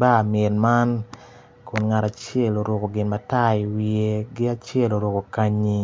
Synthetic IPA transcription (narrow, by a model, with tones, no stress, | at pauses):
ba˦˨mɛ˨nma˦n | kʊ˨nŋa˨ɾa˨t͡ʃjɛ˦˨lo˨ɾo˨ko˨ɡɪ˨nma˨ta˦i˨wie˦ɡɪ˦a˦t͡ʃjɛ˦˨lo˨ɾo˨ko˨ka˦ɲi˦